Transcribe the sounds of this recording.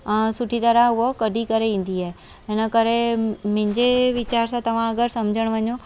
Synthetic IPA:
sʊʈʰit̪əɾaɦʊɦəkɐɖʱikəɾeʋĩːn̆d̪iaːɦe | ɪnəkəɾemɪ̃ɪ̃ɲd͡ʑeʋɪt͡ɕaːɾsãt̪ɐʋ̤ãɐɡəɾsɐmd͡ʑʱəɽ̃ʋəɲo

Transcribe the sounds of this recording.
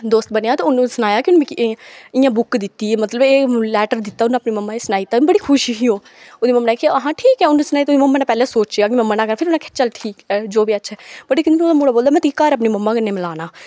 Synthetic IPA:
d̪oːst̪̚bənejaːt̪aʊnːũːsənaːjaːkɪʊnːikːɪːjãːbʊkd̪ɪt̪ːiːmət̪ləbeːlɛːʈəɾd̪ɪt̪ːaːʊnːãəpniːməmːaːesənaːit̪aːbəɽiːkʰʊʃiɦiːɦoː | oːd̪iːməmːnaːikeəɦãːʈʰiːkɦɛːʊnːũsənaːit̪ːʊd̪iməmːaːnɛːpɛːleːsoːt͡ʃjaːkɪmɛ̃ːmːənaːkəɾaːpʰɪɾʊnãːkʰe̥t͡ʃəlʈʰiːkɛːd͡ʒoːbiːətːʃʰɛːbəʈekɪnnoːd̪aːmuːɽaːboːld̪aːmɛ̃ːt̪ʰiːkːaːɾəp̬niːməmːãːkənːeːmɪlaːnaː

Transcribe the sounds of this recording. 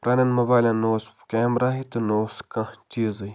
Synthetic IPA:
pɾaːnɐnmɐbaːlʲãnoːsfkeːmɾaːɦit̪ɨnoːskɐt͡ʃiːzɨj

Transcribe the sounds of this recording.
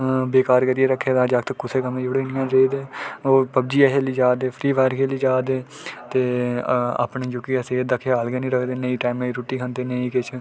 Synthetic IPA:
beːkaːɾkəɾijeːɾəkʰːeːd̪ãːd͡ʒaːkt̪əkːʊseːkəmẽːd͡ʒʊɽeːnɪjãːɾeːd̪eːoːpəb̚d͡ʒiːəɦeːliːd͡ʒaːd̪eːpʰɾiːʋaːɾkʰeːliːd͡ʒaːd̪eː | t̪eːa̰ːpɳeːd͡ʒʊkiːaseːd̪əkʰeːaːlɡeːnĩːɾəkʰd̪eːnəĩːʈaːmẽiːɾuːʈiːkʰənd̪eːnəĩːkɪt͡ʃʰ

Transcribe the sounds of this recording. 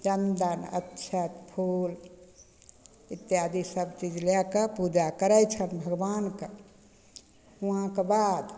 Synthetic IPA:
d͡ʒənd̪ənə̰tːʃʰət̪pʰul | it̪ːjad̪ʱisəbt͡ʃid͡ʒlɛkəpud͡ʒakəɾɛjt͡ʃʰənbʱəɡbanke | uɦãkebad̪

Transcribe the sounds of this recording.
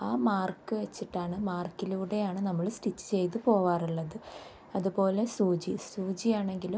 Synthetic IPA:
aːmaːrkɨʋet͡ɕːiʈːaːɳɨmaːrkiluːɽe̞jaːɳɨnɐmːɐɭsʈit͡ɕːɨ̥t͡ɕe̞jt̪̬ɨpo̞ːʋaːruɭːɐðɨ | ɐðupo̞ːle̞suːd͡ʑisuːd͡ʑijaːɳe̞ŋɡilu

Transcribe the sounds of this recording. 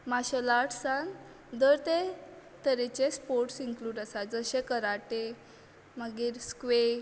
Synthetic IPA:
maɕəlaʈʰsãn | d̪əɾt̪et̪əɾet͡ɕespoɾʈsiŋkluːɖəsad͡zəɕẽkəɾaʈe | məɡiːɾskʋe

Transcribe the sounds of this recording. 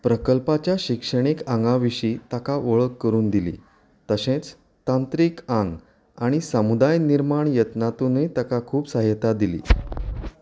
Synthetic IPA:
pɾəkəlpat͡ɕjaɕikʂəɽ̃ikãŋɡãʋiʂiːt̪akaʋəɭəkːəɾuːnd̪ilḭː | t̪əsẽt͡s | t̪ãnt̪ɾiːkãŋɡ | aɽ̃isəmud̪ajniɾmaɳjət̪nat̪unet̪akakʰuːpsaɦjət̪ad̪ilḭː

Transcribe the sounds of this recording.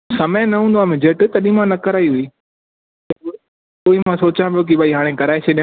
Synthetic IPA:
sɐmenɐɦũːnd̪oaːmẽd͡ʑeʈt̪ɐɗĩmãnɐkɐɾaːiɦui | t̪ɐ | poːimãsoːt͡ɕãːpijok̬ibʱaːiɦaːɽ̃ẽkɐɾaːeseɗĩ

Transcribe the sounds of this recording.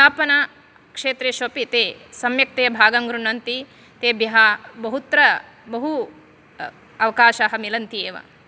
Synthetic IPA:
aːpɐna | kʂeːt̪ɾeːʃʋɐpit̪eːsɐmjɐk̚t̪eːɐbʱaːɡɐŋɡɾuɳɐnt̪i | t̪eːbjɐɦɐbɐɦut̪ɾɐ | bɐɦu | ɐʋɐkaːʃaːɦɐmilɐnt̪ieːʋɐ̰

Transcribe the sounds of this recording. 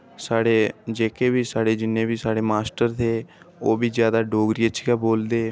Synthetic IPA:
saːɽeːd͡ʒeːkʰeːbiːsaːɽeːd͡ʒɪnːẽːbiːsaːɽeːmaːsʈəɾt̪ʰeː | oːbiːzjaːd̪aːɖoːɡɾiːət͡ʃʰiɡaːboːld̪eː

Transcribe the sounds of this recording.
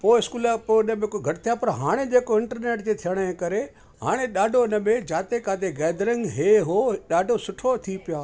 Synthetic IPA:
poːɪskuːləpoːɪnəmẽkoɡʱɐʈɪt̪ʰijapɐɾɦaːɽ̃ed͡ʑeːkoɪ̃ɳʈəɾneːʈd͡ʑet̪ʰijəɽ̃əẽkɐɾe | ɦaːɽ̃eɗaːɖʱoɪnə̆mẽd͡ʑaːt̪ekaːd̪eɡɛːd̪ɾɪ̃ŋɡɦeːɦoɗaːɖʱosʊʈʰot̪ʰipɪjaː

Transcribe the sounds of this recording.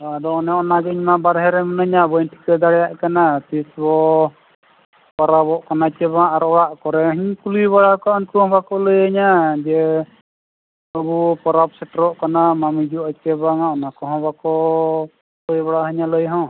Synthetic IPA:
d̪ɔɔnɛɔnad͡ʒɛiɲmabaɾɦɛɾɛmɔnəɲabunʈʰi̥kəd̪aɽɛjaʔkanat̪isbɔ | pɔɾabɔʔkanat͡ʃɛβaŋaɾɔjaʔkɔɾɛɦiɲkuliβaɽakɔɔnkuhɔ̃bakɔləjaɲad͡ʒɛ | əbupɔɾabsɛʈɾɔʔkanamamid͡ʒuat͡ʃɛbaŋaʔɔnakɔɦɔ̃bakɔ | ɔjbaɽaɦəɲaləjɦɔ̃

